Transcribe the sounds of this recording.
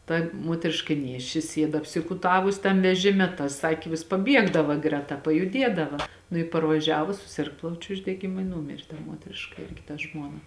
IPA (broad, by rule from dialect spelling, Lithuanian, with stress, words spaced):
ˈtɐ ˈmuɔtʲrʲɪʃkɐ ˈnʲeːʃʲt͡ʃʲɪ ˈsʲiɛt ɐpʲsʲɪkʊˈtɑːʋʊs ˈtɐm ʋʲɛˈʒʲɪmʲɛ tɐ ˈsɑːkʲeː ʋʲɪs pɐˈbʲiɛɡdɐʋɐ ˈɡrʲæːˌtɐ pɐjʊˈdʲiɛdɐʋɐ nʊ ɪ pɐrʋɐˈʒʲæːʋʊs sʊˈsʲɪrk ˈplˠɐʊt͡ʃʲʊ ʊʒʲdʲɛɡʲɪˈmʊ ɪ ˈnuːmʲeːrʲ ˈmuɔtʲrʲɪʃkɐ ˈɪrʲɡʲɪ tɐ ˈʒmuɔnɐ